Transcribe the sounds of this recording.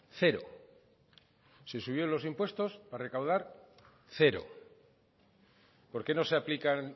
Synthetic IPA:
θe̞ɾo̰ | se̞suβ̞jo̞lo̞simpwe̞st̪o̞spare̞kawð̞aɾ | θe̞ɾo̞̰ | po̞ɾke̞no̞seaplikan

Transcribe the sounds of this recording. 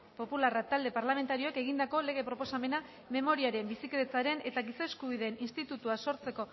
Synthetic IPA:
po̞pularat̪ald̪e̞paɾlame̞nt̪aɾio̞eke̞ɣind̪ako̞le̞ɣ̞e̞pɾo̞po̞same̞na | me̞mo̞ɾiaɾe̞mbisikeɾet͡saɾe̞ne̞t̪aɣisaːskuβ̞iðe̞ːninst̪it̪ut̪uaso̞ɾt͡se̞ko̞

